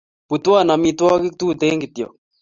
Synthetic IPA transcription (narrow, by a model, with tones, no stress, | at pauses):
pu˨t̪wa˦˨na˨mi˧t̪wɔ˦kɪ˦k̚t̪u˦˨t̪e˦ŋɡɪ˨t̪jɔ̰˨k̚